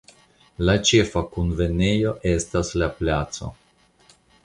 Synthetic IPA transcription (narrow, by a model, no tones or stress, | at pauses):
lat͡ʃefakunve̞nejo̞ʔe̞staslaplat̪t͡so̞̰